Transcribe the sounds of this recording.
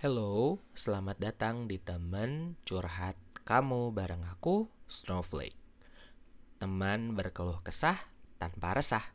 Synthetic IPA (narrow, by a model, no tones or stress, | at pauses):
hɛlosəlamat̪̚dat̪aŋdit̪əmənt͡ʃurɦat̪̚kamubaɾaŋakusnoflḛk̚ | t̪əmanbərkəluhkəsaht̪anpaɾʔəsah